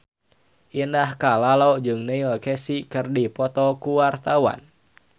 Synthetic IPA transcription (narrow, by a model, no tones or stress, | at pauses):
ʔinahkalalɔd͡ʒɨŋnailkɛsikɨrdipɔt̪ɔkuwart̪awa̰n